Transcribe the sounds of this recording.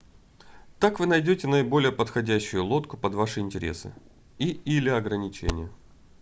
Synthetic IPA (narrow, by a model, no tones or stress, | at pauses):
t̪akvɨnɐjdʲotʲɪnəɪbo̞lʲɪjəpət̪xɐdʲæɕːʊjʊlˠo̞t̪kʊpɐd̪vaʂɨɪnʲtʲɪɾʲḛsɨ̰ | iilʲɪɐɡɾənʲɪt͡ɕḛnʲɪjə